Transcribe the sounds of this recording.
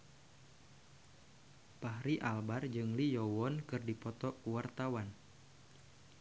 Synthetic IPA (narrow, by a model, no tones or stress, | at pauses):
paɦɾiʔalbard͡ʒɨŋlijɔwɔnkɨrdipɔt̪ɔkuwart̪awan